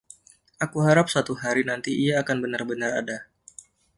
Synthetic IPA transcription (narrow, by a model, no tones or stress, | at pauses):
ʔakuɦaɾap̚sat̪uɦaɾinant̪iʔiaːkanbənarbənara̰da